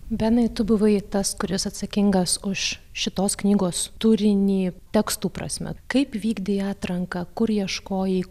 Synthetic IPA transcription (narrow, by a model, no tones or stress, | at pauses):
bʲɛnɐɪt̪ʊbʊʋɐɪt̪ɐskʊɾʲɪsɐt̪sɐkʲɪŋɡɐsʊʃʃʲɪt̪oːsknʲiːɡoːst̪uːɾʲɪnʲiːt̪ʲɛkst̪uːpɾɐ̰sʲmʲɛ̰kɐɪpʋʲiːɡd̪ʲɪɑːt̪ɾɐŋkɐkʊɾjiɛʃkoːjiː